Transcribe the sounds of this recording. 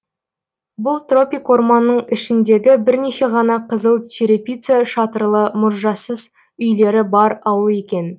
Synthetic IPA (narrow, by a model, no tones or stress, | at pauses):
bʊlˠt̪ro̞pʲijkwo̞rmɑnːəɴɪʃɪnd̪e̞ɡʲɪbɪɾne̞ʃe̞ʁɑnɑqʰəzəlˠt͡ʃʰeɾepʲijt̪seʃɑt̪əɾlˠəmʊɾʒɑsəz | ʏjle̞ɾɪbɑɾɑwəe̞kʲe̞n